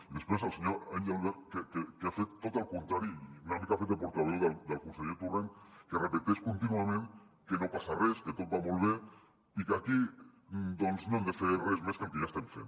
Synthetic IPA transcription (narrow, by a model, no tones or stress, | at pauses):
iðe̞spɾesalseɲoɾajnd̪awðakekekeafet̪ːot̪alkont̪ɾaɾinanikafet̪epoɾt̪aβeðad̪alkunseɣet̪ureŋkerepet̪eskont̪inuame̞n | keno̞pasaresket̪o̞t̪̚baβolβeɾ | ikaki | d̪onznond̪eferezmeskaŋkeʝast̪eɱfḛn